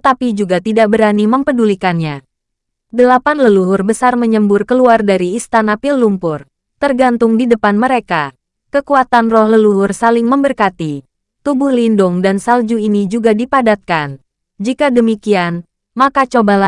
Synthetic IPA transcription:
t̪apid͡ʒuɡat̪idaʔ̚bəɾaniməmpədulikanɲa | dəlapanləluɦʊrbəsarməɲəmbʊrkəluardaɾiːst̪anapɪlːumpʊr | t̪ərɡant̪ʊŋdidəpanməɾeka | kəkuat̪anrɔhləluɦʊrsalɪŋməmbərkat̪i | t̪ubʊhlindʊŋdansald͡ʒuinid͡ʒuɡadipadat̪̚kan | d͡ʒikadəmikian | makat͡ʃobala

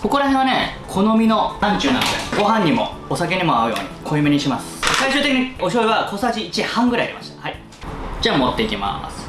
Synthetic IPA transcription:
ko̞ko̞ɾaɦẽɰ̃βane̞kʰo̞no̞mʲino̞ãɲt͡ɕɨːnã̰noeɡo̞ɦãɲ̟ːimo̞̰ːsake̞ɲ̟imo̞aɯ̟jo̞̰ːɲ̟ikʰo̞imeɲ̟iɕimasɨ̥saiɕɨːt̪e̞kʲiɲio̞ɕo̞ːiβakʰo̞saʑiːt͡ɕihãŋɡɯ̟ɾaiaɾʲḭmaɕi̥t̪ḁhai | d͡ʑaːmo̞t̪ːe̞ikʲima̰sɨ̥

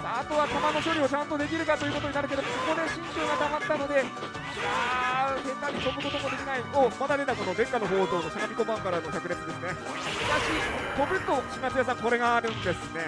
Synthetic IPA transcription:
d̪aːt̪o̞βat̪amano̞ç̬ʲo̞ɾʲio̞t͡ɕãnt̪o̞d̪e̞k̬ʲiɾɯ̟kat̪ojɯ̟ko̞t̪o̞ɲinaɾɯ̟k̬e̞d̪omoso̞ko̞d̪eɕĩɲt͡ɕoːɡat̪amat̪ːano̞d̪e̞ | ah̪ẽ̞nt̪aɲʲːit̪o̞bɯ̟ko̞t̪o̞mo̞d̪e̞kʲinaiomad̪ad̪e̞t̪ako̞no̞d̪ẽ̞ŋkano̞ɦo̞ːzo̞ːno̞sanabʲiko̞bãŋkaɾanokʲakɯ̟ɾet̪od̪esɨne̞ | mɯkaɕit̪o̞bɯt̪ːo̥ɕinat͡sɨjas̬ãŋko̞ɾe̞ɡaɾɯ̃nd̪e̞sɨne̞

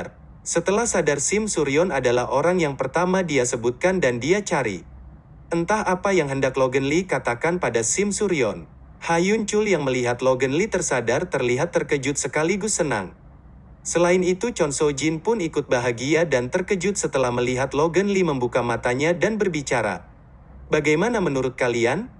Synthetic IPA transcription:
sət̪əlahsadarsɪmsuɾiɔnadalaɦʔoɾaŋjaŋpərt̪amadiasəbut̪̚kandandiat͡ʃaɾḭ | ʔənt̪ahapajaŋɦəndakloɡənlikat̪akanpadasɪmsuɾiɔn | hajuɲt͡ʃʊljaŋməliɦat̪loɡənlit̪ərsadart̪ərliɦat̪ːərkəd͡ʒʊt̪̚səkaliɡʊsːəna̰ŋ | səlaɪnit̪ut͡ʃɔnsod͡ʒinpʊnikʊt̪̚baɦaɡiadant̪ərkəd͡ʒʊt̪̚sət̪əlahməliɦat̪loɡənliməmbukamat̪aɲadanbərbit͡ʃaɾa̰ | baɡajmanamənuɾʊt̪̚kalian

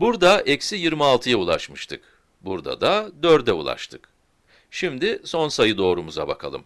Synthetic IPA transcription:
buɾd̪aʔɛcsijiɾmialˠt̪ʰɯjaulˠaʃmɯʃt̪ʰɯk | buɾd̪a̰d̪ad̪øɾd̪ɛṵlˠa̰ʃt̪ʰɯk | ʃimd̪ɪso̞nsajɯd̪o̞ːɾumuza̰ba̰kʰalˠɯ̰m

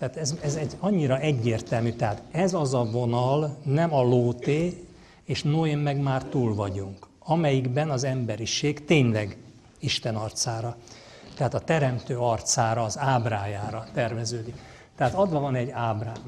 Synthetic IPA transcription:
t̪ɛaːt̪ɛzɛzɛɟɒɲːiɾɒʔɛɟːeːrt̪ɛlmyt̪ɛɦaːt̪ɛzɒzɒvo̞nɒlnɛmɒloːt̪eː | eːʃnoemːɛɡmaːrt̪uːlvɒɟuŋk | ɒmɛjiɡbɛnɒzɛmbɛɾiʃeːɡt̪eːɲlɛɡ | iʃt̪ɛnɒrt̪saːɾɒt̪ɛɦaːt̪ɒt̪ɛɾɛmt̪øːɒrt̪saːɾɒːzaːbraːjaːɾɒt̪ɛrvɛzøːd̪ik | t̪ɛɦaːt̪ɒd̪lɒvɒnɛɟaːbraː

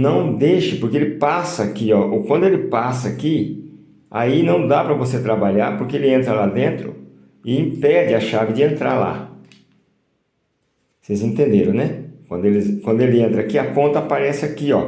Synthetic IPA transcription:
nɐ̃w̃d̪ejʃɪpoɾkeelɪpasɐakiɔʔokwɐ̃nd̪ʊelɪpasɐaki | ainɐ̃w̃d̪apɾɐvoset̪ɾabaʎaɾpoɾkeelɪẽnt̪ɾɐlad̪ẽnt̪ɾʊ̰ | ɪĩpɛd͡ʒɪɐʃavɪd͡ʒɪẽnt̪ɾa̰ɾla̰ | sejzẽt̪ẽnd̪eɾɐ̃w̃nɛkwɐ̃nd̪ʊelɪkwɐ̃nd̪ʊelɪẽnt̪ɾɐakiakõnt̪ɐapaɾɛsɪakiɔ

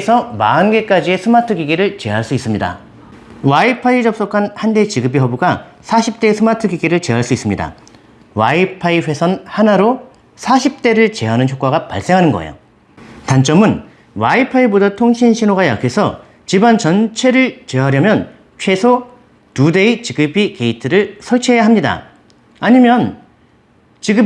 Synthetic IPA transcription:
sʰʌmaɯnɡe̞k͈ad͡ʑie̞sʰɯmatʰɯɡiɡiɾɯɭt͡ɕe̞ɦaɭs͈uis͈ɯmɲida̰ | waipʰaid͡ʑʌp̚s͈okʰanhande̞t͡ɕiɡɯbiɦʌbuɡasʰaɕʰip̚t͈e̞sʰɯmatʰɯɡiɡiɾɯɭt͡ɕe̞ɦaɭs͈uis͈ɯmɲida̰ | waipʰaiɸwe̞sʰʌnhanaɾo | sʰaɕʰip̚t͈e̞ɾɯɭt͡ɕe̞ɦanɯnçjok͈aɣapa̰ɭs͈e̞ŋɦanɯnɡʌ̰ḛjo̰ | tant͡ɕ͈ʌmɯn | waipʰaibodatʰoŋɕʰinɕʰinoɡaja̰kʰe̞sʰʌ | t͡ɕibant͡ɕʌnt͡ɕʰe̞ɾɯɭt͡ɕeɦaɾjʌmjʌn | t͡ɕʰe̞sʰo | tude̞it͡ɕiɡɯbike̞itʰɯɾɯɭsʰʌɭt͡ɕʰiejaɦamɲida̰ | aɲimjʌn | t͡ɕiɡɯ

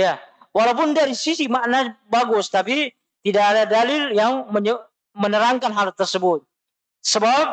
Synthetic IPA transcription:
ja | walawpʊndaɾisisimaʔnabaɡʊst̪api | t̪idaʔːdadalɪljaŋməɲə | mənəɾaŋkanɦalt̪ərsəbʊt̪̚ | səbap̚

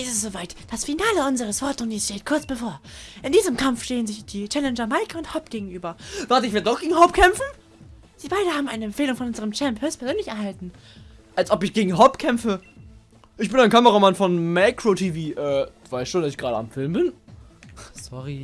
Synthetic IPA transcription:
isɪstz̥oːvaɪtd̥asfinaːləʊnzəʁəsv̥ɔɐt̚ʊniːsʃteːt̚kʰʊɐt͡sb̥əfoːɐʔɪndiːzəmkʰamfʃteːənzɪçd̥iːt͡ʃɛlɛnd͡ʒɐmaɪkəʊnthɔpɡ̥eːɡŋ̩ʔyːbɐv̥aɐtəɪçveɐdədɔχɡ̥eːɡŋ̩hɔpkʰɛmfn̩ | z̥iːbaɪdəhaːbm̩ʔaɪnəɛmfeːlʊŋfɔnʔʊnzəʁəmt͡ʃɛmphøːstpʰɛɐzøːnlɪçɛɐɦaltn̩ | ʔalsʔɔpɪçɡ̥eːɡŋ̩ɦɔpkʰɛmfə | ʔɪçb̥ɪnaɪnkʰaməʁamanfɔnmaɪkʁ̥otʰiviːʔɛː | vaɪstʃoːndasɪçɡ̥ʁaːdəa̰mfɪlmbɪn | sɔʁi

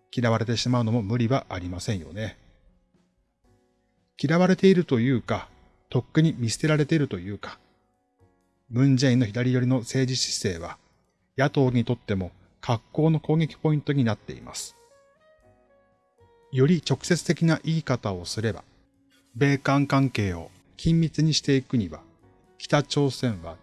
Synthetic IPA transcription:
kʲiɾaβ̞aɾe̞t̪e̞ɕimaɯ̟no̞mo̞mɯ̟ɾʲiβaʔaɾʲimasẽ̞ɰ̃jo̞̰ne̞ | kʲiɾaβaɾe̞t̪e̞iɾɯ̟t̪o̞jɯ̟ːka | t̪o̞kːɯ̟ɲ̟imʲisɨ̥t̪e̞ɾaɾe̞t̪e̞iɾɯ̟t̪o̞jɯ̟ːkḁ | mɯ̟̃ɲd͡ʑeĩnːo̞çid̪aɾʲijo̞ɾʲino̞se̞ːd͡ʑiɕi̥se̞ːβ̞a̰ | jat̪o̞ːɲ̟it̪o̞t̪ːe̞mo̞ | kʰakːo̞ːno̞ko̞ːɡe̞kʲi̥po̞ĩnt̪o̞ɲ̟inat̪ːe̞̰ḭma̰sɨ̥ | jo̞ɾʲit͡ɕo̞kɯ̟̥se̞t͡sɨ̥t̪e̞kʲinaʔiːkat̪ao̞sɨɾe̞ba̰ | be̞ːkãŋkãŋke̞ːo̞̰ | kʲĩmʲbʲit͡sɨɲ̟iɕi̥t̪e̞ikɯ̟ɲ̟iβa | kʲi̥t̪at͡ɕo̞ːsẽ̞ɰ̃βa̰

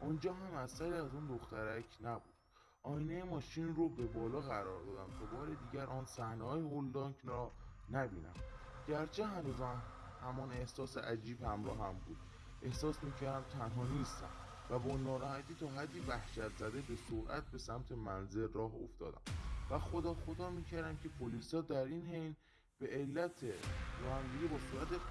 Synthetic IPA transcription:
ʔund͡ʒɒːɦæmæsæɾiːæzund̪oxt̪æɾæcʰnæbuːd̪ | ʔɒːjinejemɒːʃiːnɾobe̞bɒːlɒːɣæɾɒːɾd̪ɒːd̪æmtʰobɒːɾe̞d̪iːɟæɾʔɒːnsæhnehɒːjehold̪ɒːŋkʰrɒːnæbiːnæ̰m | ɟæɾt͡ʃʰenuzæ | hæmɒne̞hsɒːsḛʔæd͡ʒiːbhæmɾɒ̰ːɦæmbuːd̪̥ | ʔe̞hsɒːsmiːcʰæɾd̪æmt̪ʰænɦɒːniːst̪æ̰m | væbɒːnɒːɾɒːhæt̪ʰiːt̪ʰɒːɦæd̪ːivæhʃæt̪ʰzæd̪e̞be̞soɾʔæ̰t̪̚be̞sæmt̪ʰe̞mænze̞lrɒːɦoft̪ɒ̰ːd̪æ̰mvæxod̪ɒːxod̪ɒːmiːcʰæɾd̪æmcʰe̞pʰoliːsɒːd̪æɾiːnhejn | b̥e̞ʔelːæt̪ʰeɾɒːhæmd̪iɡebɒːsuːɾæt̪e

